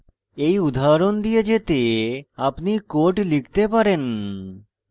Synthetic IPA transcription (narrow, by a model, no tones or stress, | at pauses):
ejud̪ʱaɾond̪ijed͡ʑet̪eapnikoɾʈlikt̪epaɾen